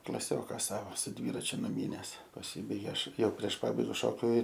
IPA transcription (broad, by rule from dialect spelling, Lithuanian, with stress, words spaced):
klˠɐˈsʲoːkɐ ˈsɑːʋoː sʊ ˈdʲʋʲiːrɐt͡ʃʲʊ nʊˈmʲiːnʲɛs pɐˈsʲiːbɐɪɡʲeː ˈɐʃ ˈjɛʊ pʲrʲiɛʃ ˈpɑːbɐɪɡɐ ʃoːkʲʊ